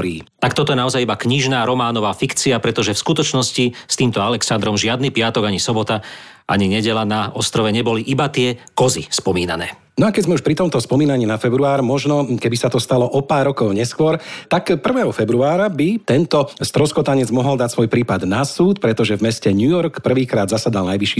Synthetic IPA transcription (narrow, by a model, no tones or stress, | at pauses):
ɾiːt̪ak̚t̪ɔt̪ɔjɛnaɔzajibakɲiʒnaːɾɔmaːnɔʋaːfikt͡siapɾɛt̪ɔʒɛfskut̪ɔt͡ʃnɔscist̪iːmt̪ɔalɛksand̪ɾɔmʒɪad̪nipɪat̪ɔɡaɲisɔbɔt̪a | ʔa̰ɲiɲɛɟɛlanaɔst̪ɾɔʋɛɲɛbɔliʔibat̪ɪɛkɔzispɔmiːnanɛː | nɔakɛɟzmɛuʃpɾit̪ɔmt̪ɔspɔmiːnaɲiːnafɛbɾuaːɾmɔʒnɔkɛbisat̪ɔst̪alɔʔɔpaːɾːɔkɔʊɲɛskʊɔɾt̪akpr̩ʋɛːɦɔfɛbɾuaːɾabit̪ɛnt̪ɔst̪ɾɔskɔt̪aɲɛd͡zmɔɦɔld̪acsʋɔjpɾiːpad̪nasuːt̪pɾɛt̪ɔʒɛvmɛscɛɲujɔɾkpr̩ʋiːkɾaːd̪zasad̪alnajʋiʃiː